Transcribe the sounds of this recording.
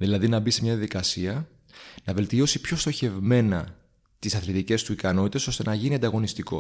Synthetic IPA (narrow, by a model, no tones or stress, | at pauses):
ðilɐðinɐbise̞mɲɐðjɐðikɐsiɐ | nɐve̞lt̪io̞sipço̞st̪o̞çe̞vme̞nɐ | t̪isɐθlit̪ice̞st̪uikɐno̞t̪it̪e̞so̞st̪e̞nɐʝiniɐnd̪ɐɣo̞nist̪iko̞̰